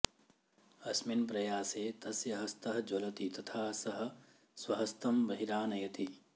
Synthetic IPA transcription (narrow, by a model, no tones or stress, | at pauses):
ɐsminpɾɐjaːseːt̪ɐsjɐɦɐst̪ɐɦɐd͡ʒolɐt̪it̪ɐt̪ʰaːsɐɦɐ̆ | swɐɦɐst̪ɐmbɐɦiɾaːnɐjɐt̪i